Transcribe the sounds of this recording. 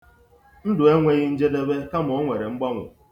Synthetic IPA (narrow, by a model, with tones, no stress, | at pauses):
n̩˦dʊ˨e˦ŋʷe˦ɣɪ˦n̩˦d͡ʒe˦de˦be˦ka˦m̩˨ɔ˦ŋʷe˨ɾe˨ŋ͡m̩˦ɡ͡ba˦ŋʷʊ̰˨